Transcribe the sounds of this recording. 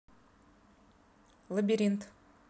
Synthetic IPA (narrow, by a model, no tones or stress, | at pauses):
lˠəbʲiɾʲint̪